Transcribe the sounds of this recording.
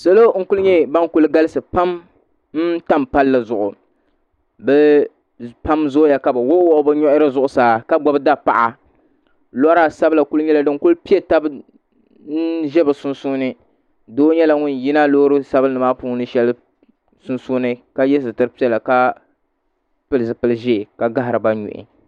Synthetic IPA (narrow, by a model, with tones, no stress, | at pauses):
sa˦lo˦ŋ̩˦kʊ˦lʊ˦ɲɛ˦ba˦ŋkʊ˦lɡa˦lɨ˦sɨ˨pa˦m | n̩˦ta˦mpa˦lːa˨zʊ˨ʔʊ˨ | bɛ˦ | pa˦mzʊ˦ja˨ka˨bɨ˨wo˦wo˦ʔbɨ˦ɲɔ˦ʔɪ˦ɾɨ˦zʊ˦˨ʔʊ˨saː˨ka˦ɡ͡bɔ˨bɨ˦da˦pa̰˨ʔa˨ | la˦ɾa˦˨sa˦bla˨kʊ˦lɲɛ˦la˨dɨ˦ŋ˦kʊ˦lpi˦e˨ta˦b | n̩˦ʒɛ˦bɨ˨sʊ˦nsu˦nɨ˦ | doː˦ɲɛ˦la˨ŋʊ˦n˨ji˦na˦loː˦ɾɨ˦sa˦bɨ˦nɨ˨ma˦puː˦nɨ˦ʃɛ˦lɨ˦ | sʊ˦nsu˦nɨ˦ka˦jɛ˦sɨ˨tɨ˦ɾɨ˦pi˦ɛ˦˨la˨ka˦ | pɨ˦lɨ˨zɨ˨pɨ˦lɨ˦˨ʒe˦˨ka˨ɡa˦ɦɾɨ˨ba˦ɲṵ˨ʔɪ̰˨